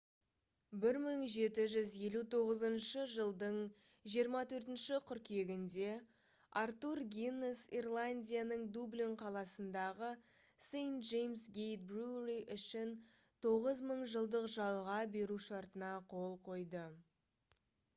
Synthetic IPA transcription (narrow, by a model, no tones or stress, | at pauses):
bɪɾməɴʒe̞t̪ɪʒʏzje̞lut̪ʰo̞ʁəzənʃəʒəlˠd̪əɴ | ʒijəɾmɑt̪ʰɵɾt̪ɪnʃɪqʰʏɾkʲʰe̞ɡʲɪnd̪e̞ | aɾt̪urɡʲinesirlˠanʲd̪ʲijanəɴd̪ublʲoɴqʰɑlˠɑsənd̪ɑʁə | sejnt̪ʒejmsɡʲejt̪̚bruriʔʏʃɪn | t̪ʰo̞ʁəzməɴʒəlˠd̪əqʒɑlˠʁɑbe̞ɾuʃɑɾt̪ənɑqʰo̞lˠqʰo̞jd̪ə